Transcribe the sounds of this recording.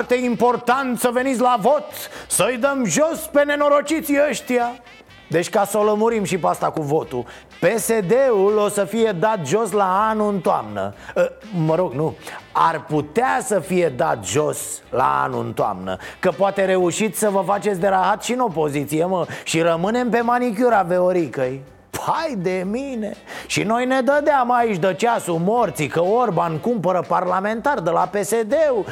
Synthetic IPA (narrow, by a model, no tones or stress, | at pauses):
t̪eimpo̞rt̪ant̪səve̞nit̪sʲlavo̞t̪səɨjd̪əmʒo̞spe̞ne̞no̞ɾo̞t͡ʃit̪siəʃt̪ia | d̪e̞t͡ʃʲkasoləmuɾimʃipeast̪akuvo̞t̪u | pe̞se̞d̪e̞ulo̞səfije̞d̪at̪ʒo̞slaanuɨnt̪oa̰mnə̰əməɾo̞ɡnua̰rput̪easəfije̞d̪a̰t̪ʒo̞sla̰a̰nṵɨ̰nt̪oa̰mnə̰kəpoat̪e̞ɾe̞uʃit̪ʲsəvəfat͡ʃet̪sʲd̪eɾaɦat̪ʃinopo̞zit̪sijeməʃiɾəmɨne̞mpe̞manik̬ʲuɾaveoɾikəj | pʰajd̪e̞mine̞ʃḭno̞jne̞d̪əd̪eamait͡ʃʲd̪ət͡ʃasumo̞rt̪sikəorbankumpəɾəparlame̞nt̪ard̪elape̞sed̪eu